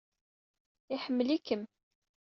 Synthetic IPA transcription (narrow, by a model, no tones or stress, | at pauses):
ɪħəmːəlikəm